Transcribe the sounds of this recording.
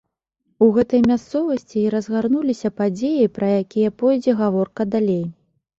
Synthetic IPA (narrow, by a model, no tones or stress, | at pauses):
uɣɛt̪ɐjmʲast̪sɔvɐsʲt͡sʲiːɾɐzɣarnulʲisʲɐpad͡zʲejɐjpɾɐjakʲijɐpɔjd͡zʲɛɣavɔrkɐd̪alʲej